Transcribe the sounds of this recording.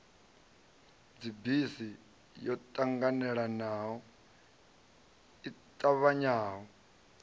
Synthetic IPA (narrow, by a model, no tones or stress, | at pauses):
d͡zibisi | jɔtʼaŋɡanɛɺanaːwɔ | itʼaβaɲaːwɔ